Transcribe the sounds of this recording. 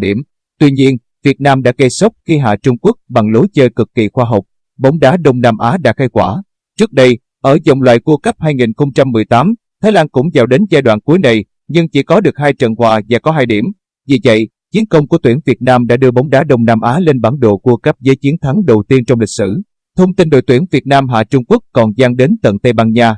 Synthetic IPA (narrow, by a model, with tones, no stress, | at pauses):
ɗi˧˩əm | t̪wi˧ɲi˧ən | vi˨˩ət̚naː˧mɗa̰ː˧˥ke˧sə˦˥k͡p̚xi˧ɦa̰ː˧˨t͡ɕʊ˧ŋ͡mku˦˥ək̚ɓa˨˩ŋlo˨˦jt͡ɕəː˧kɨ˨˩kːḭ˧˨˩xwaː˧ɦə˨˩wk͡p̚ | ɓə˨˦wŋ͡mɗaː˨˦ɗə˧wŋ͡mnaː˧mʔaː˨˦ɗa̰ː˧˥xa˧jkwaː˧˩ | t͡ɕɨ˦˥ək̚ɗə˧j | ʔəː˧˩zə̰˨˩wŋ͡mlwa̰ː˧˨jku˧kə˦˥p̚haː˧jŋi˨˩nxə˧ŋ͡mt͡ɕa˧mːɨ˨˩əjt̪aː˨˦mt̪ʰaː˨˦jlaː˧nkʊ̰˧˥ŋ͡mzaː˨˩wɗe˨˦nzaː˧jɗwa̰ː˧˨nku˨˦jna˨˩j | ɲɨ˧ŋt͡ɕḭ˧˩kɔ˨˦ɗɨ˨˩ək̚haː˧jt͡ɕə̰˧˨nhwaː˧˩vaː˨˩kɔ˨˦ɦaː˧jɗi˧˩əm | vi˨˩və̰˧˨j | t͡ɕi˨˦ənkə˧wŋ͡mku˧˩ət̪wi˧˩ənvi˨˩t̚naː˧mɗa̰ː˧˥ɗɨ˧əɓə˨˦wŋ͡mɗaː˨˦ɗə˧wŋ͡mnaː˧mʔaː˨˦le˧nɓaː˧˩nɗo̰˧˨ku˧əkə˦˥p̚zəː˨˦jt͡ɕi˨˦ənt̪ʰa˨˦ŋɗə˨˩wt̪i˧ənt͡ɕɔ˧wŋ͡mlï˨˩k̟̚sɨ̰˧˩ | t̪ʰə˧wŋ͡mt̪i˧nɗo̰˧˨jt̪wi˧˩ənvi˨˩ət̚naː˧mɦa̰ː˧˨˩t͡ɕʊ˧ŋ͡mku˦˥əkːɔ˨˩nzaː˧ŋɗe˨˦nt̪ə̰˧˨nt̪ə˧jɓaː˧nɲaː˧